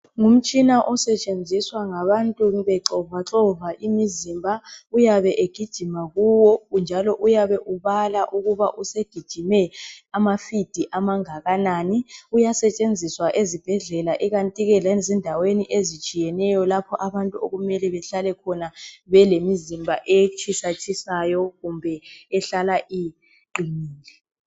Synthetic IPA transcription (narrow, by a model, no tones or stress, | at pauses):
ŋum̩t͡ʃʼinaʔɔsɛt͡ʃʼend͡zʱiswaŋaβantʼuβɛǁɔvaǁɔvaʔimizimbʱaujaβɛʔeɡ̥ʱid̥ʒ̥ʱimaɣuwɔund͡ʒʱalɔʔujaβɛʔuβalaʔuɣuβaʔuseɡ̥ʱid̥ʒ̥ʱimɛamafid̥ʱiʔamaŋaɣanaːniujasɛt͡ʃʼend͡zʱiswaʔezib̥ʱɛɮɛlaʔɛɣantʼiɣɛlɛzɛndʱaweniʔezit͡ʃʼijɛnɛjɔlapʰɔʔaβantʼuoɣumɛlɛβɛɬalɛkʰɔnaβɛlemizimbʱaʔet͡ʃʰʼisat͡ʃʰʼisajɔɣumbʱɛɛɬalaʔi | ǃimiːlɛ